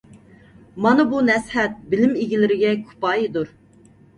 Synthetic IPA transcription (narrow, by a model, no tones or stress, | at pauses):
mɑnɨbunɛshɛt̪̚bɪlɪmeɡʲilɪɾɪɡʲɛkʰu̥pɑːjid̪uɾ